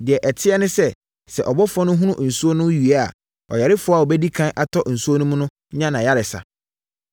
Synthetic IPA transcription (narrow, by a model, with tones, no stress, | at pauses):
dɪ˨ɛ˨ʔɛ˨tʰɪ˦ɛ˦nʊ̃˦sɛ˦ | sɛ˨ʔɔ˨bɔ˦fɔ˦nʊ̃˦ɦũ˦nʊ̃˦ʔn̩˨su˦o˦nʊ̃˦ɥi˨a˦a̰˨ | ɔ̰˨jɛ˨ɾɪ˦fʊ˦a˨ɔ˨bɛ˦di˦kʰã˦nʔa˨tʰɔ˦ʔn̩˨su˦o˦nʊ̃˦mʊ̃˦nʊ̃˦ɲã˦nã˨ja˦ɾɪ˨sa̰˨